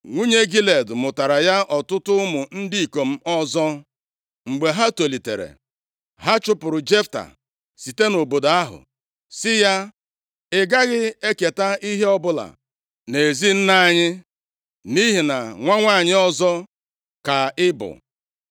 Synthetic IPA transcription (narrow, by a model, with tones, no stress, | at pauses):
ŋʷu˦ɲe˦ɡi˦le˨dmʊ˨ta˨ɾa˨ja˦ʔɔ˨tʊ˦tʊ˦mʊ˨n̩˦di˦i˨ko˨m̩˦ɔ˦zɔ˦ | ŋ͡m̩˨ɡ͡be˨ɦa˦to˨li˨tḛ˨ɾḛ˨ | ɦa˦t͡ʃʊ˦pʊ˨ɾʊ˨d͡ʒe˦fta̰˨ | si˨te˦no˨bo˨da˦ɦʊ̰˨ | sɪ˦ja˦ | ɪ˨ɡa˦ɣɪ˦e˦ke˨ta˦i˦ɦe˦ɔ˦bʊ˦la̰˨ | ne˨zi˦n̩˦na˦˨ɲɪ˦ | ni˦ɦi˨na˨ŋʷa˦ŋʷa˦˨ɲɪ˦ɔ˦zɔ˦ | ka˨ɪ˦bʊ̰˨